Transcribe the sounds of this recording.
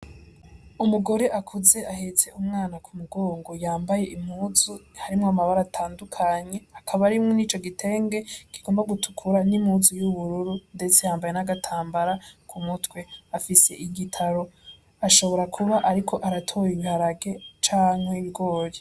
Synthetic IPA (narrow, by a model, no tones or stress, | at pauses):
umuɡo̞ɾe̞ʔakʰuze̞ʔahe̞t͡se̞ʔumŋaːnakʰumuɡo̞ːŋɡo̞jaːmbaje̞ʔimhuːzuhaɾimŋoamaβaɾatʰaːndukʰaɲe̞akʰaβaɾimŋoniːt͡ʃo̞ɡitʰe̞ːŋɡe̞kiɡ̥o̞ːmbaɡutʰu̥kʰuɾanimhuːzujuβuɾuɾunde̞t͡se̞jaːmbaje̞naɡatʰaːmbaɾakʰumutwe̞afise̞̰ʔiɡitʰaɾo̞ | aʃo̞βo̞ɾakʰuβaʔaɾikʰo̞ʔaɾatʰo̞ːjiβihaɾaɡe̞t͡ʃaːŋhe̞iβiɡo̞ːɾe